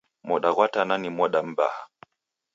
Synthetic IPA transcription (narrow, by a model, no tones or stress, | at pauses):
mɔɗaɣwatananimɔɗam̩ba̰ha